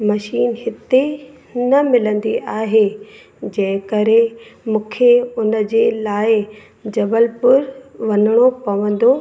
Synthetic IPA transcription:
mɐʃiːnɦɪt̪e | nɐmɪlə̃nd̪iʔaːɦe | d͡ʑɐ̃ɦɪ̃kɐɾemũːkʰeʊnəd͡ʑeːlaːɪ | d͡ʑɐbəlpʊɾʋɐnɪɽ̃opɐʋə̃nd̪o

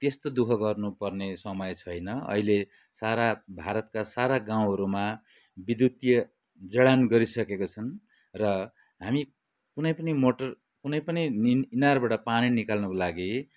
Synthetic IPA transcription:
t̪est̪od̪ukʰʌɡʌrnupʌrnesʌmʌjt͡sʰʌjnʌʌ̰ile | saɾabʱaɾʌt̪̚kasaɾaɡaw̃ɦʌɾuma | bid̪jut̪jʌ | d͡zʌɽanɡʌɾisʌkekot͡sʰʌn | rʌ | ɦami | kunʌjpʌnimoʈʌr | kunʌjpʌniinarbaʈʌpaninikalnʌkolaɡi

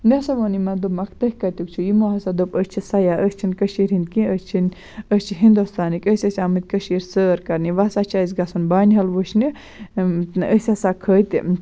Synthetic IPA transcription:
nɐsɐʋonimɐnd̪umɐkʰt̪ɐhʲkɐt̪uk̚t͡ʃʰujimoɦɐsad̪opəst͡ʃʰisɐjaʔəst͡ʃʰinkɐʃiːɾhind̪̚kĩəst͡ʃʰin | ət͡ʃʰiɦind̪ost̪aːnikʲəsʲɐsʲamɨt̪̚ʲkɐʃiːɾsəːɾkɐɾniʋasat͡ʃʰas̬ʲɡɐsunbaːnʲɦɐlʋuʃni | əsʲɐsakʰəːt̪ḭ

